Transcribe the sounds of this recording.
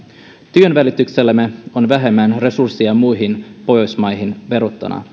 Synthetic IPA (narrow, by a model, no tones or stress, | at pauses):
t̪yø̞nʋælit̪ːykse̞lːæmːeo̞nʋæɦe̞mːænre̞sursːiɑmujɦinpo̞jo̞jsmɑjɦinʋe̞ɾot̪ːɑ̰nɑ̰